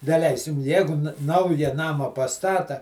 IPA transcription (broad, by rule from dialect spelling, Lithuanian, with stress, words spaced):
dɐˈlʲɛɪsʲɪm ˈjæːɡʊ ˈnɐʊjɛ ˈnɑːmɐ pɐˈstɑːtɐ